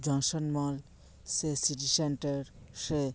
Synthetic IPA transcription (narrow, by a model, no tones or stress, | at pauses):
d͡ʑɔnsɔnmɔl | sesiʈiseɳʈeɾ | se